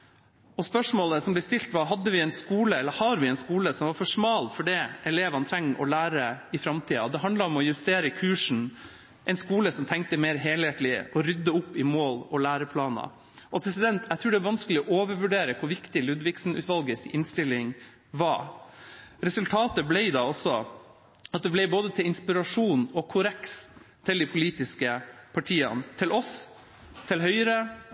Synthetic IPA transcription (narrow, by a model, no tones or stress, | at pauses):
ɔspœʂmoːləsɔmblɛst̪ɪlt̪ʋɑɾɦɑd̪ːəʋɪɛɪnskuːləɛlːəhɑɾʋɪɛɪnskuːləsɔmʋɑɾfɔʂmɑːlfɔɖɛʔɛleːʋɑnt̪ʰɾɛŋːʔɔ̰læːɾəɪfɾɑmt̪ʰiːɑ̰ɔd̪ɛɦɑnd̪lɑɾɔmɔjʉst̪eːɾəkʰʉːʂɳ̩ | ʔɛɪnskuːləsɔmt̪ʰɛŋk̚t̪əmeːɾɦeːlheːt̪lɪɔɾʏd̪ːəʊpːɪmoːlɔlæːɾəpʰlɑːnɑ̰ | ʔɔpʰɾɛsɪd̪ɛnt̪ʰæɪt̪ʰɾʉːɖɛɑʋɑnskəlɪɔʔoːʋəɾʋʉɖeːɾəkʰʊɾʋɪkt̪ɪlʉd̪ʋɪksn̩ʉ̰ːt̪ʋɑlɡəsɪʔɪnst̪ɪlːɪŋ | ʋɑ | ɾɛsʉlt̪ʰɑːt̪əblɛɪd̪ɑːɔsɔ | ɑt̪̚d̪ɛblɛɪboːd̪ət̪ʰɪlɪnspɪɾɑʂuːnɔkʰʊɾɛkst̪ʰɪld̪ɪpʰʊliːt̪ɪskəpʰɑʈʰiːɑ̰nt̪ʰɪlʔɔs | t̪ʰɪlɦœʏəɾə